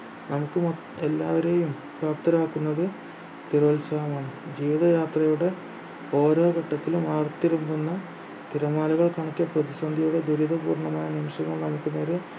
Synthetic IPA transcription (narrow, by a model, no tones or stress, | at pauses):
nɐmukːɨmɐ | elːaːʋɐɾe̞ːjum | papt̪ɐɾaːkːunːɐðɨ | st̪ʰiɾoːlsɐjɐmaːɳɨd͡ʑiːʋiðɐjaːt̪rɐjuɽe̞ | o̞ːɾo̞ːɡɐʈːɐt̪ːilumaːrt̪iɾumbunːɐ | t̪iɾɐmaːlɐɣɐɭkɐɳɐkːijɐprɐðisɐnd̪ʱɐjuɽe̞d̪uɾiðɐpuːrɳɐmaːjɐnimɕɐŋːɐɭnɐmukːɨneːɾe